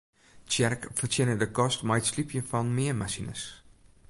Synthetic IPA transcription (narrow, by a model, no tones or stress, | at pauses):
t͡ʃɛrkfərtiənədəkɔstmaːətslipʰjəfɐnmiəmasinə̰s